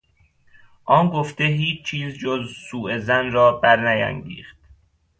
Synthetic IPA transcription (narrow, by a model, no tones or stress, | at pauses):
ʔɒːnɡoft̪eɦiːt͡ʃʰt͡ʃʰiːzd͡ʒozsuːʔezænrɒːbæɾnæjæ̰ŋɟḭːxt̪̚